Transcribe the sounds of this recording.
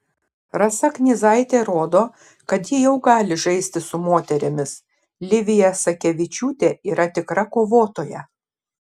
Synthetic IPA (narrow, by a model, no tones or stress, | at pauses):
ɾɐsɐknʲɪzɐɪt̪ʲeːɾoːd̪oː | kɐt̪jɪjɛʊɡɑːlʲɪʒɐɪsʲt̪ʲɪsʊmoːt̪ʲɛɾʲɪmʲɪs | lʲɪʋʲɪjɛsɐkʲɛʋʲɪt͡ʃʲuːt̪ʲeːiːɾɐt̪ʲɪkɾɐkoːʋoːt̪oːjɛ